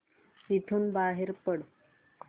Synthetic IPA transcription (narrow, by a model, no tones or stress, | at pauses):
it̪ʰuːnbaɦeɾpəɽ